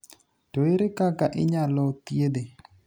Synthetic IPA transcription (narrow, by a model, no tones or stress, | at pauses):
toɪɾɪkakaʔɪ̰ɲalɔt̪jed̪e